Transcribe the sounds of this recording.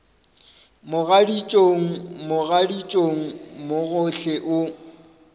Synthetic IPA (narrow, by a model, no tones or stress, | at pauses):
mʊɣadit͡ʃʼoŋ̩mʊɣadit͡ʃʼoŋ̩mʊɣʊɬɛʔʊ